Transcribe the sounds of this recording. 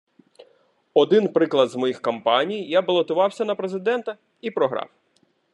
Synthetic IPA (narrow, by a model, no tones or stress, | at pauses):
ɔd̪ɪnpɾɪklˠɐd̪zmɔjixkɔmpɑnʲijjabɐlˠɔt̪ʊʋɑwsʲɐnɐpɾezɪd̪ɛnt̪ɐ | ipɾɔɦɾɑ̰w